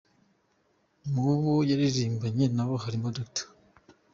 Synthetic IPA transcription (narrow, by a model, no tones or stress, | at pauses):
muβujaɾiɾiːmbaɲenaβoɦaɾimodoktʰo̥